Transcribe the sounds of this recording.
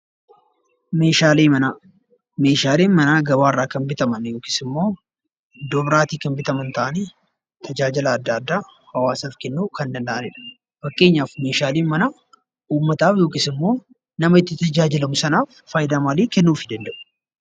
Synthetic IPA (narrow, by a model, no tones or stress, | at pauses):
me̞ːʃaːleːmɐnaː | me̞ːʃaːleːnmɐnaːɡɐbaːɪrːaːkɐnbɪt̪ɐmɐnjoːkɪsɪmːo̞ː | d̪ɔbɾaːt̪iːkɐnbɪt̪ɐmɐnt̪ɐʔɐniː | t̪ʰɐd͡ʒaːd͡ʒɪlɐːd̪ːɐːd̪ːaːhɐwaːsaːfkɛnːuːkɐnd̪ɐnd̪ɐʔɐnɪᶑɐ̥ | fɐkʼːe̞ːɲːaːfme̞ːʃaːleːnmɐnaː | uːmːɐt̪aːfjo̞ːkɪsɪmːo̞ː | nɐmɐɪt̪ːɪt̪ɐd͡ʒaːd͡ʒɪlɐmʊsɐnaːfːɐjɪd̪aːmaliːkɛnːuːfɪd̪ɐnd̪ɐʔʊ̥